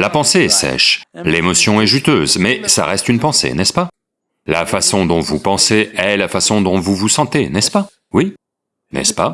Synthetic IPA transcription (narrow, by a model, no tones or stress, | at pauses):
lapɑ̃seɛsɛ̰ʃlemɔsjɔ̃ɛʒyt̪øːzmɛsa̰ʁɛst̪ynpɑ̃sḛnɛspa | lafasɔ̃d̪ɔ̃vupɑ̃seɛlafasɔ̃d̪ɔ̃vuvusɑ̃t̪enɛspa | wi | nɛ̰spa